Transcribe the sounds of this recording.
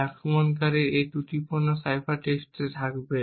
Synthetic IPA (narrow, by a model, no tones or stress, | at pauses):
ɛkmonkaɾeet̪uʈipoɾnosajpaɾʈesʈet̪ʰakbe